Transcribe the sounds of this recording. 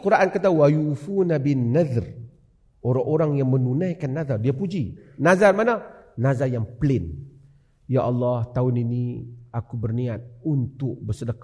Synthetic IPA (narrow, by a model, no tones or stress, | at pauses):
kuɾaʔankat̪̬awajufunabinnːaðr | oɾaŋʔoɾaŋjaŋmənunajkanːaðardiapud͡ʒinazarmananazajaŋpəlɪn | jaʔɑlːɑht̪aʊniniakubərniat̪̚unt̪ʊk̚bərsədək